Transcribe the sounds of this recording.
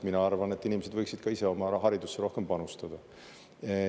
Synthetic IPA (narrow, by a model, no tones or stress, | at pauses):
minɑɑrvɑne̞t̪ˑːinimese̞d̪vɤjksid̪̥kɑise̞o̞mɑɦɑɾid̪usːeɾo̞hke̞mpɑnust̪ɑd̪̥ɑ